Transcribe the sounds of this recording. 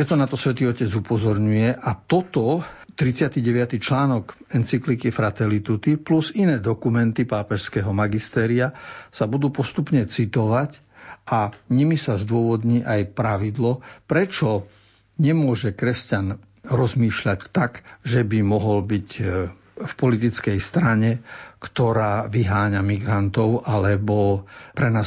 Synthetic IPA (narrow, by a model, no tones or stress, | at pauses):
pɾɛt̪ɔnat̪ɔsʋɛt̪iːɔcɛd͡zupɔzɔɾɲujɛʔat̪ɔt̪ɔt̪ɾit͡sɪat̪iɟɛʋɪat̪it͡ʃlaːnɔk | ɛnt͡siklikifɾat̪ɛlit̪ut̪ipluzinɛːd̪ɔkumɛnt̪ipaːpɛʃskɛɦɔmaɡist̪ɛːɾiasabud̪uːpɔst̪upɲɛt͡sit̪ɔʋac | ʔaɲimisazd̪ʊɔʋɔd̪ɲiːʔajpɾaʋid̪lɔpɾɛt͡ʃɔ | ɲɛmʊɔʒɛkɾɛscan | ɾɔzmiːʃʎact̪akʒɛbimɔɦɔlbic | fpɔlit̪̬it͡skɛjst̪ɾaɲɛkt̪ɔɾaːʋiɦaːɲamiɡɾant̪ɔʊʔalɛbɔpɾɛnaː